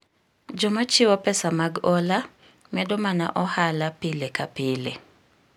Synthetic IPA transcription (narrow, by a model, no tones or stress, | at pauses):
d͡ʒɔmat͡ʃɪwɔpɛsamaɡɔla | mɛdɔmana̰ʔɔhalapɪlekapɪle